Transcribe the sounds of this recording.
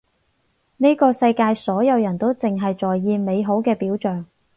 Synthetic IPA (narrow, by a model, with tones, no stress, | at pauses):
ne˥kɔː˧sɐ˧jkaː˧jsɔː˨˥jɐ˨˧wjɐ˨˩nt̪o˥wt͡sɪ˨ŋɦɐ˨jt͡sɔː˨jːiː˧me˨˧jɦo˨˥wkɛː˧piː˨˥wt͡ʃœː˨ŋ